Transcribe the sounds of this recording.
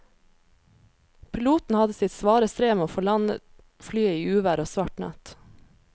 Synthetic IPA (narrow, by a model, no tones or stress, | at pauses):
pʰɪluːt̪n̩hɑd̪əsɪt̪sʋɑːɾəst̪ɾeːmeoːfɔɭɑnə̰ | flyːəiːʉːʋæɾoːsʋɑʈɳɑ̰t̪